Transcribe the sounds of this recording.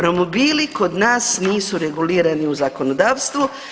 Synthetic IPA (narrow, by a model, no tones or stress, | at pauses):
ɾo̞mobiːliko̞d̪naːsniːsuɾe̞ɡuliːɾaniuzako̞nod̪aːʋst̪ʋu